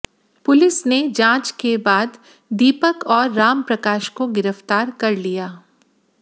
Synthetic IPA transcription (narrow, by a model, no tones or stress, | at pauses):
pʊlɪsned͡ʒãːt͡ʃkebaːd̪ | d̪iːpəkɔːɾːaːmpɾɐkaːʃkoɡɪɾəft̪aːɾkɐɾlijaː